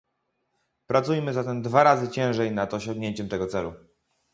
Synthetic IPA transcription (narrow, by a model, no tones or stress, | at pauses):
pɾat̪sujmɘzat̪ɛmd̪vaɾazɘt͡ɕɛ̃w̃ʐɛjnat̪ɔɕɔ̃ŋɡɲeɲt͡ɕɛmt̪ɛɡɔt̪sɛlṵ